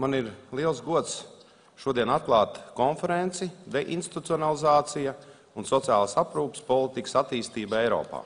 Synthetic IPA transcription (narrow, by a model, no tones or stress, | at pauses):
maniɾlˠiɛlˠsɡuɔt̪s | ʃuɔd̪iɛnat̪̚klˠaːt̪kɔnfɛɾent̪sid̪eʔḭnst̪i̥t̪ut̪sʲiɔnalˠizaːt̪sija | unsɔt̪sia̰ːlˠasapɾuːpspɔlˠit̪ikəsat̪iːst̪iːbaɛjɾɔ̰ːpa̰ː